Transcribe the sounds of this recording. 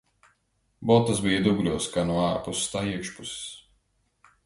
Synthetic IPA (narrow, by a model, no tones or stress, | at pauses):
bɔt̪ːasbijad̪uɡlʲuɔskanuɔaːɾpusst̪aːiɛkʃpusi̥s